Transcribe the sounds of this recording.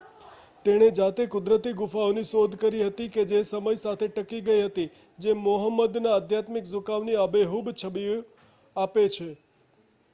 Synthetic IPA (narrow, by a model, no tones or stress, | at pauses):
t̪eɽ̃ed͡ʒat̪ekʊd̪ɾət̪iɡʊfaonisod̪ʱkəɾiɦət̪iked͡ʒesəməjsat̪ʰeʈəkiɡəiɦət̪i | d͡ʒemoɦəmːəd̪naəd̪ʱjat̪miksʊkaʋniabeɦubt͡ʃʰəbi | apet͡ʃʰe